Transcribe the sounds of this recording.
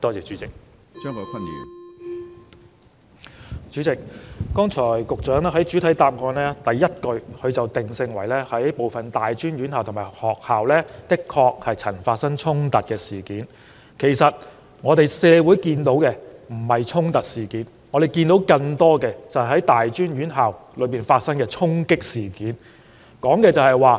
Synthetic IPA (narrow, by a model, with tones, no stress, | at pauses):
t̪ɔː˥t͡sɛː˨t͡ʃyː˨˥t͡sɪ˨k̚ | t͡ʃœː˥ŋkɔː˨˧˥kʷʰɐ˥nːḭː˨˩n | t͡ʃyː˨˥t͡sɪ˨k̚kɔː˥ŋt͡ʃʰɔː˨˩jkʊ˨k̚t͡ʃœː˨˥ŋlɛː˥ɦɐ˨˥jt͡ʃyː˨˥t̪ʰɐ˨˥jt̪aː˧p̚kɔː˧nlɛː˥t̪ɐ˨jːɐ˥t̚kɵ˧ɥkʰɵ˨˧ɥt͡sɐ˨wt̪ɪ˨ŋsɪ˧ŋwɐ˨˩jlɛː˥hɐ˨˥jpo˨wfɐ˨nt̪aː˨jt͡ʃyː˥nɥyː˨˥nhaː˨wt̪ʰmaː˨˩hɔː˨k̚haː˨wlɛː˥t̪ɪ˥kʰːɔː˧k̚hɐ˨jt͡sʰɐ˨˩nfaː˧t̚sɐ˥ŋt͡ʃʰʊ˥ŋt̪ɐ˨t̚kɛː˧siː˨˩kiː˨˥n | kʰe˨˩jsɐ˨t̚ | ŋɔː˨˧ɾe˨jsɛː˨˧wuː˨˥jkiː˧nt̪o˨˥wkɛː˧m̩˨˩hɐ˨˩jt͡ʃʰʊ˥ŋt̪ɐ˨t̚siː˨˩kiː˨˥n | ŋɔː˨˧ɾe˨˩jkiː˧nt̪o˨˥wkɐ˧ŋt̪ɔː˥kɛː˧t͡sɐ˨whjɦɐ˨˥jt̪aː˨jt͡ʃyː˥nɥyː˨˥nɦaː˨wlɵ˨˧˥piː˨˩nfaː˧t̚sɐ˥ŋkɛː˧t͡ʃʰʊ˥ŋkɪ˥k̚siː˨˩kiː˨˥n | kɔː˨˥ŋkɛː˧t͡sɐ˨whɐ˨jwaː˨˩